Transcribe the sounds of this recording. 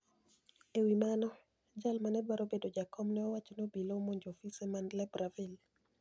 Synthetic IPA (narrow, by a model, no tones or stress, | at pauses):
ewimanɔ | d͡ʒalmanɛbaɾobedod͡ʒakʰɔmnɛɔwat͡ʃonobilomoɲd͡ʒofisɛmandlɛbɾavil